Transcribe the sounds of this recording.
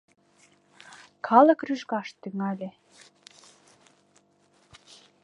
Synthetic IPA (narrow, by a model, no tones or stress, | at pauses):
kʰɑlɤ̆kryʒɡɑʃt̪yŋælʲe